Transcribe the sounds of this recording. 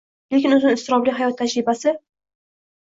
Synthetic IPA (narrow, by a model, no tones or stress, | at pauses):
lekʲɪnʊznɪnɪst̪ɪɾɒbliɦajɒt̪ʰːad͡ʒɾɪbasɪ